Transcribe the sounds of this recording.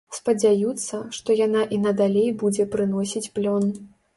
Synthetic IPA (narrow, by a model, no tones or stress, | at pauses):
spɐd͡zʲajut̪sːɐʂt̪ɔjanaʔinɐd̪alʲejbud͡zʲɛpɾɨnɔsʲit͡sʲplʲɔn